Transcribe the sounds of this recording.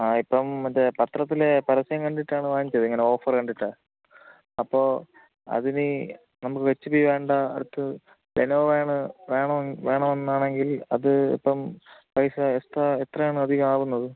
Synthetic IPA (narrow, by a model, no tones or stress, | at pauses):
aːipːɐmɐdepɐt̪rɐt̪ːile̞pɐɾɐsɐjɐŋkɐɳɖiʈːaːɳɨʋaːɲikt͡ɕːɐðeŋːɐne̞o̞ːfɐrkɐɳɖiʈːa | ɐpːo̞ː | ɐ̰ðini | nɐmukːɨʋet͡ɕːupijʋe̞ːɳɖɐɐ̰ɽut̪ːɨ | lenoːʋeːɳɨʋe̞ːɳɐmʋe̞ːɳɐmenːaːɳe̞ŋɡilɐðɨḭpːɐmpɐjsɐest̪ɐet̪rɐjaːɳɨɐd̪ʱiɣɐmaːʋunːɐðɨ